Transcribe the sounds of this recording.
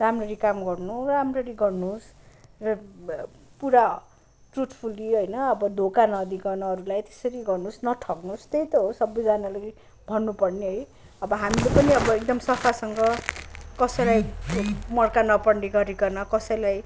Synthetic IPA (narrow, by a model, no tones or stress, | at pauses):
ramrʌɾikamɡʌrnuramrʌɾiɡʌrnusrʌ | puɾa | ʈruʈʰpʰuliɦʌjnʌːbʌd̪ʱokanʌd̪iɡʌnʌʌɾulajt̪e̥sʌɾiɡʌrnusnʌʈʰʌknust̪ejt̪ʌɦosʌbːʌjd͡zanale | bʱʌnːupʌrniɦʌj | ʌbʌɦamilepʌniʌbʌek̚d̪ʌmsʌpʰasʌŋɡʌkʌsʌjlaj | mʌrkanʌpʌɳɖiɡʌɾekʌnʌkʌsʌjlaj